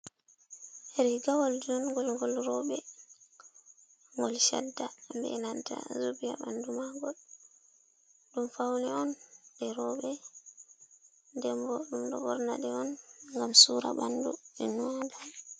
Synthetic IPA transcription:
ɾiɡawɔldinɔnŋɡɔlŋɡɔlɾɔɓɛ | ŋɡɔlʃa̰dːambɛ̰nanta̰zubija̰bandumaɡɔl | dumfawniɔndɛɾɔɓɛ | dɛmbɔɗumdɔbɔɾna̰dɛɔnŋɡamsuːɾaɓanduɛnuada

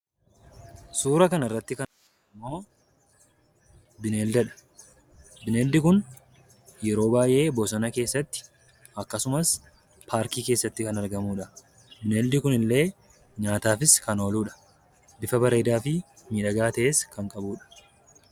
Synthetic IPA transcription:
suːɾɐkɐnɪrːɐt̪ːɪkɐnɐɡɐmːo̞ː | bɪneːld̪ɐᶑɐ̥ | bɪneːld̪ɪkʊn | jɛɾo̞ːbaːjʔe̞ːbosɐnɐke̞ːsːɐt̪ːɪ̥ | ɐkːɐsʊmɐs | pʰaːɾkiːke̞ːsːɐt̪ːɪkɐnɐɾɡɐmuːᶑɐ | bɪneːld̪ɪkʊnɪlːe̞ː | ɲaːt̪aːfɪskɐno̞ːluːᶑɐ̥ | bɪfɐbɐɾeːd̪aːfɪ | miːᶑɐɡaːt̪ɐʔe̞ːskɐŋkʼɐbuːᶑɐ̥

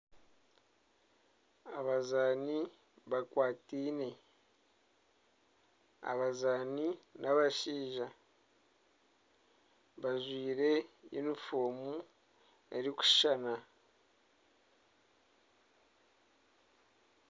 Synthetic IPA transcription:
aβazaːni | βakwaːtiːne | a̰βazaːninaβaʃiːʒa | βaʒwiːɾe̞jḭnufoːmu | eɾiku̥ʃana

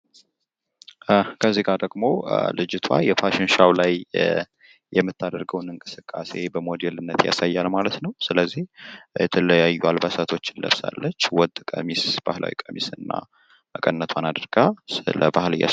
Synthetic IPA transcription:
kʰəzːikʼad̪əɡmo̞lɨd͡ʒɪt̪ʰwa̰jɛpʰaʃɪnʃawlaj | jɛmːɨt̪ʰːad̪əɾɡəwnɨŋkʼɨsɨkʼːase̞bəmod̪ɛlɨnːət̪ja̰sajːalmalət̪nəwsɨləzːihjɛt̪ʰələjajːualbəsat̪ʰo̞t͡ʃːɪnlə̰βsa̰lːət͡ʃːwɔd̪kʼə̰misb̥ahlʔa̰wḭkʼəmisɨnːa̰ | əkʼənːət̪ʰwanad̪əɾɡ̥asɨləbahɨlɨja̰

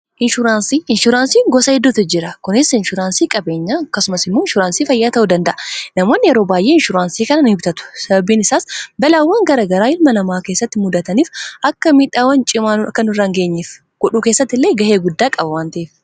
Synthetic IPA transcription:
ʔɪnʃʊɾaːnsiːɪnʃʊɾaːnsiːŋɡɔsɐhɪd̪ːʊt̪ɪd͡ʒɪɾɐkʊnɪsɪnʃʊɾaːnsiːkʼɐbe̞ːɲːaːɐkːɐsʊmɐsɪmːoɪnʃʊɾaːnsiːfɐjːaːt̪ɐʔʊd̪ɐnd̪ɐʔɐnɐmo̞ːnːɪjɛɾo̞ːbaːjʔeːɪnʃʊɾaːnsiːkɐnɐnʊɪbt̪ɐt̪ʊ̥sɐbɐbiːnɪsaːsbɐlaːwːaːŋɡɐɾaːɡɐɾaːɪlmɐlɐmaːke̞ːsːɐt̪ːɪmʊd̪ɐt̪ɐniːfʔɐkːɐmiːᶑaːwɐnt͡ʃʼɪmaːɐkːɐnʊrːaŋɡe̞ːɲːef | ɡ̥ɔᶑuːkeːsːɐt̪ːɪlːeːɡɐhe̞ːɡʊd̪ːaːkʼɐbɐwaːnt̪ɐʔeːf

